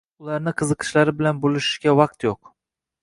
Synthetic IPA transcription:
ʊlˠɑɾnɪqʰɨzɨqʰɨ̥ʃlaɾɪbɪlanbolˠɪʃɪʃɡʲavɑq̚t̪joq

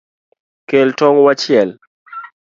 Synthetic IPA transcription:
keltɔŋwat͡ʃɪɛl

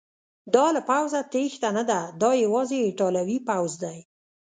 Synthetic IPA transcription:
d̪ɑlapawzat̪ext̪anad̪ad̪ɑjawɑzeʈɑlawipawzd̪aj

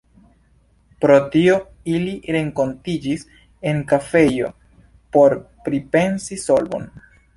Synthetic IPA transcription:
pɾo̞tio̞ | iliɾe̞ŋko̞ntid͡ʒis | e̞ŋkafe̞jo̞̰ | po̞ɾ | pɾipe̞nsiso̞lbo̞̰n

